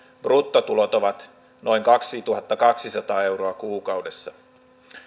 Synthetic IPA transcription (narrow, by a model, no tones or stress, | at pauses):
b̥rut̪ːot̪ulot̪oʋɑt̪ | no̞iŋkɑksit̪uhɑt̪ːɑkɑksisɑt̪ɑːe̞wɾoɑkuːkɑwdesːɑ